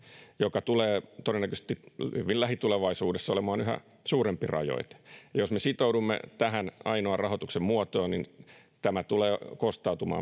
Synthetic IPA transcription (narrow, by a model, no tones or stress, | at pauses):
jokɑt̪uleːt̪odenːækøse̥t̪ihy̰ʋilæɦit̪uleʋɑisuːdesːɑolemɑːnyɦæ̰ | suːɾempirɑ̰jo̰it̪jɑjosmesit̪oudumːḛt̪æɦænɑinoɑrrɑɦot̪uksemmuot̪oːnin | t̪æmæt̪uleːkost̪ɑut̪umɑ̰ː